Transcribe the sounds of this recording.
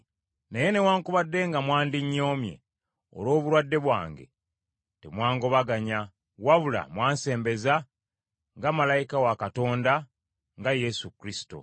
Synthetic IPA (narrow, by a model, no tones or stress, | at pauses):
neje̞ne̞waːŋkuβadːe̞ŋɡamwaːndiɲːo̞ːmje̞̰ | o̰lo̞ːβuɾwadːe̞βwa̰ːŋɡe̞̰ | temwaːŋɡo̞βaɡaɲa | waβula̰mwaːnse̞ːmbe̞za | ŋɡamalajikawakato̞ːnda | ŋɡajesukɾisi̥to̰